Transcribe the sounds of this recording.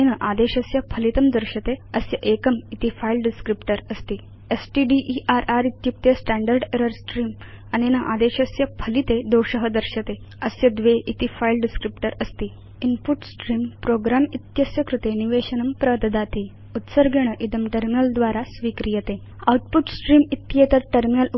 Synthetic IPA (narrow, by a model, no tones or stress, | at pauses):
inəʔad̪eɕəsjɐpʰəlit̪əmd̪əɾɕət̪eəsjɐʔekəmit̪ifailɖiskɾipʈəɾəst̪iː | esʈiɖiʔiʔaɾaɾit̪jup̚t̪esʈæɳɖəɾɖeɾəɾsʈɾiːm | aninəʔad̪eɕəsjɐpʰəlit̪ed̪owɕəɦəd̪əɾɕət̪e | əsjəd̪ʋeʔit̪ifailɖiskɾipʈəɾəst̪iː | inpuʈsʈɾiːmpɾoɡɾamit̪jɐsjɐkɾut̪eniʋeɕənɐmpɾəʋd̪əd̪at̪i | ut̪səɾɡeɳ̃əʔid̪əmʈəɾminəld̪ʋaɾasʋiːkɾijət̪e | a̰wʈ̚puʈsʈɾiːmit̪jet̪əɾʈəɾminəlu